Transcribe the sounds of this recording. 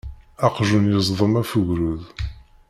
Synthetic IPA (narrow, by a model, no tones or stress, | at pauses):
ɑqʒunjəzˤðˤəmæfuʝɾuð